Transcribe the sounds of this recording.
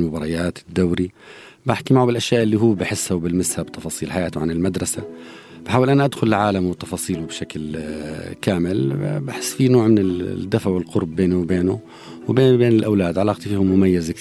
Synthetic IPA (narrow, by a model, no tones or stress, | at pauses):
mʊbɑɾˤɑjaːt̪ɪd̪ːawɾibaħkimaʕubɪlʔaʃjaːʔɪlːiɦuwːbɪħɪsːhabɪlmɪshabt̪ɑfɑːsˤiːlħajaːt̪wʕanɪlmad̪ɾˤɑsa | b̥ħaːwɪlʔanaʔad̪xʊlɪlʕaːlamwɪt̪ɑfɑːsˤiːlubʃakl | kaːmɪlbaħɪsːfinoːʕmɪnɪd̪ːafʕwɪlqʊɾˤbːeːnuwbeːnʊ | wbeːbeːnɪlʔawlaːd̪ʕalɑːqt̪ˤifihʊmːʊmajːɪza